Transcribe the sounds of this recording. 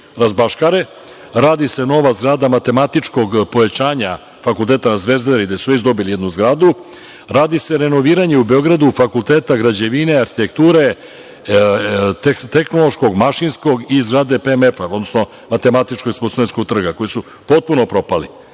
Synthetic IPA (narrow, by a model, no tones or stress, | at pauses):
ɾazbaʃkaɾe̞ | ɾaːd̪ise̞no̞ʋazɡɾaːd̪amat̪e̞mat̪it͡ʂko̞ɡpo̞ʋet͡ɕaːɲa | fakulˠt̪e̞ːt̪anazʋe̞zd̪eɾid̪asuʋet͡ʃd̪o̞bilijed̪nuzɡɾaːd̪u | ɾaːd̪ise̞ɾe̞no̞ʋiːɾaɲe̞ube̞o̞ɡɾad̪ufakulˠt̪eːt̪aɡɾad͡ʑe̞ʋineaɾxit̪e̞kt̪uːɾe̞ | t̪e̞xno̞lˠo̞ʃko̞ɡmaʃinsko̞ɡizɡɾaːd̪e̞pemefao̞d̪nosno̞ | mat̪e̞mat̪it͡ʃkoɡsposuenskoɡ̚t̪r̩ɡako̞jisu | pot̪̚puno̞pɾo̞pali